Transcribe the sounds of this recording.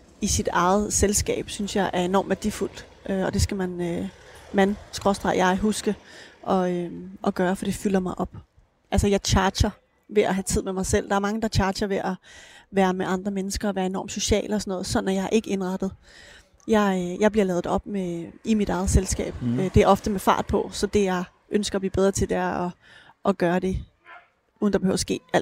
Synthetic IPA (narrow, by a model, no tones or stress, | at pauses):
isid̥ɑ̈ɪð̩ˠselsɡ̥ɛ̰ːb̥synsjɑ̈ɪʔæɐe̝nɒ̰ːmʋæɐd̥iful̰d̥ | ʔøɒ̽d̥e̝sɡ̥æmænømænsɡ̥ʁɒsd̥ʁɑ̰̈jɑ̈ɪɦusɡ̥əʔɒ̽øʔɒ̽ɡ̥ɶːɐfɒd̥e̝fyl̰ɐmɑ̈ɪʔɒ̽b̥ | ʔælsɐjɑ̈ɪt͡ɕʰɑ̈ːd̥ɕɐ | ʋe̝æɦæt͡sʰið̰ˠmemɑ̈ɪsel̰d̥ɑ̈æɐmɑ̈ŋəd̥ɑt͡ɕʰɑ̥̈ːɕɐʋe̝ʔæʋæːɐmeʔɑ̈nd̥ʁɐmenəsɡ̥ɐɒʋæːɐe̝nɒ̰ːmso̝ɕɛ̰ːləɒsɒnɔ̽ːðˠsɒ̽n̩æjɑ̈ɪʔe̝ɡ̥əe̝nʁɑ̈d̥ð̞̩ˠ | jɑɪjɑ̈ɪb̥liɐlɛːð̥̩ˠɒ̽b̥meimid̥ɑ̈ɪð̞̩ˠselsɡ̥ɛ̰ːb̥ød̥e̝æɐɒ̽fd̥əmefɑ̰̈ːd̥ˠpʰɒ̽sɒ̽d̥e̝jɑ̈ɪ | ʔønsɡ̥ɐɒblḭːb̥eð̞ˠʁɐt͡sʰe̝ld̥æɐ̰ɒ̽ | ʔɒ̽ɡ̥ɶːɐd̥e̝ | uːð̩ˠn̩d̥ɑb̥ehøʊ̰sɡ̥e̝̰ːæl